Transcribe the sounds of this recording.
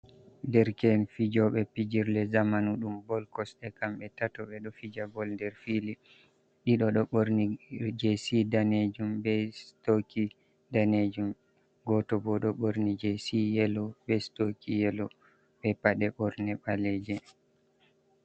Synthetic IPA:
ndɛɾkɛnfid͡ʒɔɓɛpid͡ʒiɾlɛzamanuɗumbɔlkɔsɛkamɓɛtatɔɓɛɗɔfid͡ʒabɔlndɛɾfili | ɗiɗɔɗɔɓoɾnid͡ʒesidaned͡ʒumbɛstoki | daned͡ʒum | ɡɔtɔbɔɗɔɓoɾnid͡ʒɛsijɛlɔbɛstokijɛlɔ | ɓɛpaɗɛɓɔɾnɛɓalɛd͡ʒɛ

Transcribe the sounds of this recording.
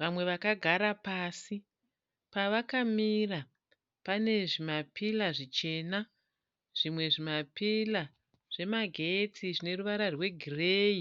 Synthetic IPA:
ʋamwe̞ʋakaɡʱaɾapaːsi | paʋakamira | pane̞ʐimapilaʐit͡ʃe̞na | ʐ̥imwe̞ʐimapila | ʐ̥e̞maɡʱe̞tʰiʐine̞ruʋaɾarwe̞ɡʱireːi

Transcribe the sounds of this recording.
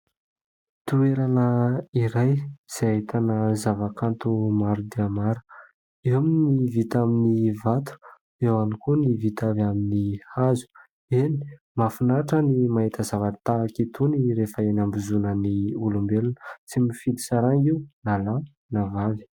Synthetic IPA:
t̪ueɾanəiɾajz̥eaɦit̪ʰanəzavakant̪umaɾud̪iamaɾu̥ | ewaminivit̪aminivat̪u̥ | ewanikunivit̪avaminihazu̥ | eni̥ | mafunaʈ͡ʂənimaɦit̪əzavat̪aːkit̪uniɾefəenambizunəniulumbelunə̥t͡simifilisaɾaŋiwnala | navavi̥

